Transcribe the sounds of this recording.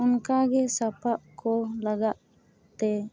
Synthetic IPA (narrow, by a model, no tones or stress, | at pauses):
ʊnkaɡɛsapaʔkɔlaɡaʔ | t̪ɛ